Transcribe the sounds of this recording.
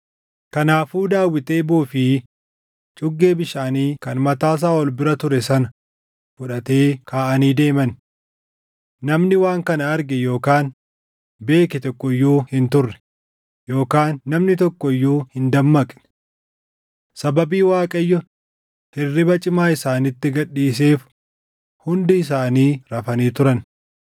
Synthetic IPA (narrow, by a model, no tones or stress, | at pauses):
kɐnaːfuːd̪aːwːɪt̪eːbuːfɪ | t͡ʃʼʊɡːe̞ːbɪʃaːniːkɐnmɐt̪aːs̬aːɔlbɪɾɐt̪ʊɾɛsɐnɐ | fʊᶑɐt̪e̞ːkʰaːʔɐniːd̪e̞ːmɐn | nɐmnɪwaːŋkɐnɐɐɾɡɛjo̞ːkaːn | be̞ːkɛt̪ɔkːɔɪjːuːhɪnt̪ʊrːɛ̥ | joːkaːnːɐmnɪt̪ɔkːɔɪjːuːhɪnd̪ɐmːɐkʼnɛ̥ | sɐbɐbiːwaːkʼɐjːʊ | hɛrːɪbɐt͡ʃʼɪmaːɪsaːnɪt̪ːɪɡɐᶑːiːs̬e̞ːf | hʊnd̪ɪːs̬aːniːɾɐfɐniːt̪ʊɾɐn